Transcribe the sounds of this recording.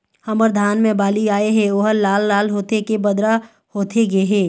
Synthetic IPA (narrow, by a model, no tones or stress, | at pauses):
hɐməɾd̪ʱaːnmẽbaːliaːeɦɛ̃oːɦəːaːlːaːlɦoːt̪ekebɐd̪ɾa | hoːt̪ʰeɡɦɛ̃ː